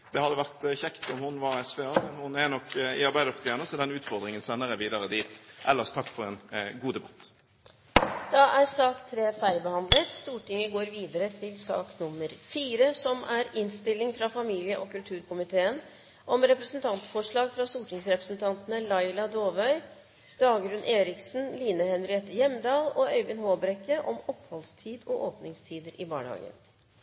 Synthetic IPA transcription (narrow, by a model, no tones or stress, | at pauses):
d̪̥ɛhɑd̪əʋæʁt̪çɛkt̪ɔmhʊnʋɑʁɛsʋeɑhʊnænɔkːɪ̰ɑɾbæɪd̪əft̪ʰɪɛnəsɔd̪ɛnʉːt̪fɔʁd̪ɾɪŋənsɛnːəʁəʋiːd̪ɑʁəd̪iːt̪ʔɛlːəʁst̪ʰɑkːfɔʁɛnɡuːd̪ɛbɑ̥t̪ː | d̪̥ɑʔæɾsɑːkt̪ʰɾeːfæɾɪbəhɑnd̪lət̪st̪uːʈɪŋːəɡoːɾʋiːd̪əɾət̪ʰɪlsɑ̰ːknʊmːəɾfiːɾəsɔmʔæɾɪnst̪ɪlːɪŋfɾɑfɑmiːlɪəʔɔkʉlt̪ʰʉːɾkʊmɪt̪ʰeːən | ʔɔmɾɛpɾəsənt̪ʰɑnt̪fɔʂɭɑːɡfɾɑst̪uːʈɪŋsɾɛpɾəsn̩t̪ʰɑnt̪ənəlɑɪlɑd̪oːʋœʏ | d̪̥ɑːɡɾʉnʔeːɾɪksn̩liːnəhɛnɾɪɛt̪ːəjɛmd̪ɑːlɔœʏbɪnhoːbɾɛkːəʔɔmɔphɔlst̪ʰiːd̪ɔʔoːpnɪŋst̪ʰiːd̪əɾʔɪbɑ̰ːɳhɑ̰ːɡə̰n